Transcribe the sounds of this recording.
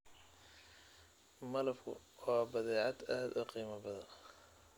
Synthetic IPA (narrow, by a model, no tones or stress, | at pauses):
mɐlɐbkʰʊ̰ | ɔːbɐðɛːʕɑd̪aːd̪ʊqiːmɐbɐðɐ